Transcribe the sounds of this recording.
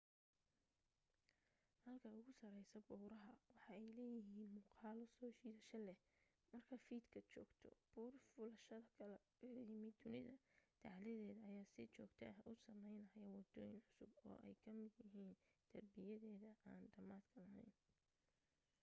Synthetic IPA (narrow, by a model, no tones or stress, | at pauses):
hɐlkʰɐʊɣʊsɐɾɛjsɐbɔːɾɐɦɐwɑħɑɛjlɛːjɪɦiːnmʊːqɑːlɔsɔːt͡ʃiːðɐʃɐlɛh | mɐrkʰɐfiːd̪kʰɐt͡ʃɔːɡt̪ʰɔ̰b̥uːrfʊlɐʃɐðɐkʰɐlɐ | ɪɾimɪd̪ʊnɪðɐd̪̥ɑʕlɛðɛːðɐːjaːsɪt͡ʃɔːɡt̪ʰɐɐʔʊsɐmɛjnɐjɐwɐd̪ɔːjɪnʕʊsʊbɔ̰ːʔɛ̰jkʰɐmɪd̪jɐɦiːnd̪̥ʰɐrbɪjɐðɛːðɐʔaːnɖɐmaːd̪kʰɐlɐɦɛ̰jn